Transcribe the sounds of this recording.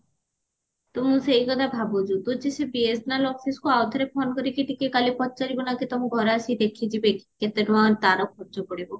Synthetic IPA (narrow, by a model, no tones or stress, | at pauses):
t̪umusejkɔt̪abʱabod͡ʒut̪ud͡ʑesebiesnaloɡseskoawt̪ʰɔɾepʰonkɔɾikiʈikekalipɔt̪ːt͡ʃaɾibonakit̪omuɡʱɔɾaʃid̪ekʰid͡ʑibeket̪eɖuant̪aɾokʰɔɾd͡ʒokoɽibo